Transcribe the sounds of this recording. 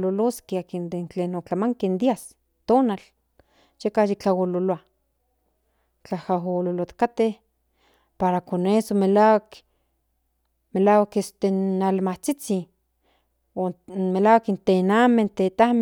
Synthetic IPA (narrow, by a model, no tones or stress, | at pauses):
loloskeakind̪ent͡ɬenot͡ɬamaŋkend̪ias | t̪oːnal | jekahjikt͡ɬawololoa | t͡ɬahaɦololot̪kat̪eh | paɾakonesomelawak | melaːwakest̪enːalmaht͡sit͡si | omelaːwakint̪enament̪et̪ahm